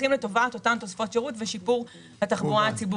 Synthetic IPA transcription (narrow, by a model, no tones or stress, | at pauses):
χimletovaːt̪o̞tant̪osfo̞tʃeʁutveʃipuʁ | hat̪aχboaat͡sibu